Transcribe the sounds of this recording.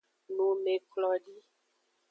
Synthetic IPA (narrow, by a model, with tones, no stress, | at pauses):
nũ˨me˨klɔ˨ɖi˦